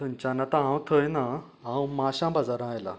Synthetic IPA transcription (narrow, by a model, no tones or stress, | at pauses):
ənt͡ɕanat̪ãɦãwt̪ʰəjna | ɦãwmaɕãbad͡zaɾãjla̰